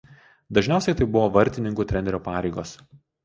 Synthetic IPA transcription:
d̪ɐʒʲnʲæˑʊsʲɛɪt̪ɐɪbʊʋoːʋɐɾʲt̪ʲɪnʲɪŋkuːt̪ʲɾʲɛnʲɛɾʲoːpɑːɾʲɛɪɡoːs

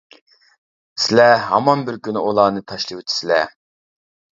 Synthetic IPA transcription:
sɪlɛɦɑmɑnbɪɾkʲynɪulˠɑːnɨt̪ʰɑʃlˠɨwut̪ʰi̥sɪlɛ̰

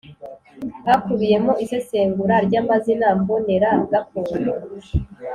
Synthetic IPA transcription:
hakuβije̞mo̞ʔise̞se̞ːŋɡuɾaɾɟaːmazinambone̞ɾaɡakoːɾa

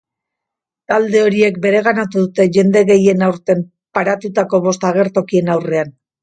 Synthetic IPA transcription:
t̪ald̪e̞o̞ɾie̞k̚be̞ɾe̞ɣ̞anat̪uðut̪e̞ʝe̞nd̪e̞ɣe̞je̞nawɾt̪e̞m | paɾat̪ut̪ako̞βo̞st̪aɣ̞e̞ɾt̪o̞kie̞nawre̞an

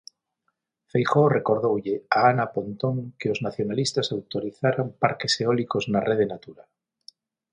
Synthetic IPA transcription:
fejxorekoɾð̞owʎeaanapont̪oŋkeoznaθjonalist̪asawt̪oɾiθaɾampa̰ɾkeseɔlikoznareðenat̪uɾa

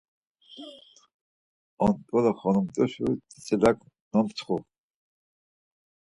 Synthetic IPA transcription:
ɔnt̪ʼɔlaχɔnumt̪ʼɔʃut̪ʼit͡sʼɛlak | nɔmt͡sʰχɔ

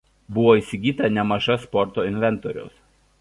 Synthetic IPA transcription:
bʊʋoːiːˑsʲɪɡʲiːt̪ɐnʲɛmɐʒɐspɔɾt̪oːɪnʲʋʲɛnˑt̪oːɾʲʊ̰ʊs

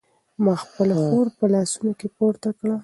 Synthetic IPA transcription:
mɑxpəlaxoɾpəlɑsunokepoɾt̪akɽa

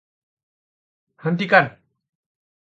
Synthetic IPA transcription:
hənt̪ikan

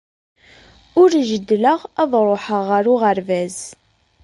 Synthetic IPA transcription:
ʊɾʒəd̪ːləʁɑðˤɾˤoħəʁəɾʊʁəɾvæz

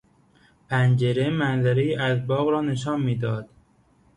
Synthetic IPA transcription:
pʰænd͡ʒe̞ɾe̞mænzæɾejiːʔæzbɒːɣɾɒːne̞ʃɒːnmiːd̪ɒːd̪̥

